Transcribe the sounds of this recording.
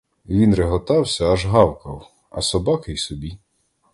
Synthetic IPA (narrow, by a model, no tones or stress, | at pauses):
ʋʲinɾeɦɔt̪ɑwsʲɐɐʒɦɑwkɐw | ɐ̰sɔbɑkɪjsɔbʲi